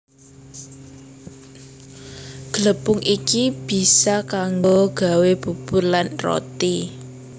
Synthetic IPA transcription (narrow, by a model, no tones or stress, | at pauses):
ɡ̥ələpʊŋʔikib̥i̤sakaŋɡoɡ̥a̤web̥ṳb̥ʊrlanro̰t̪i